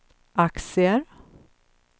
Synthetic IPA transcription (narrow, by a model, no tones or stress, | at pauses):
ʔaksɪəɾ